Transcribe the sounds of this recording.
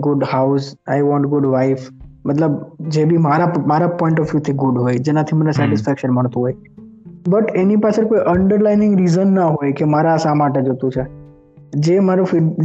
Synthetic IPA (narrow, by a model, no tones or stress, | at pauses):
ɡʊɖhaʊsajʋɔ̃ɳʈɡʊɖʋaɪfmət̪ləbd͡ʒebʱimaɾamaɾapɔɪ̃ɳʈɔfjut̪ʰiɡʊɖɦojd͡ʒenat̪ʰimənesɛʈɪsfɛkʃənməɳ̃t̪ũɦoj | bəʈenipasekojʔəɳɖəɾlaɪnɪ̃ŋɡɾizənːaɦojkemaɾaəsãmaʈed͡ʒot̪ũt͡ʃʰe | d͡ʒemaɾufi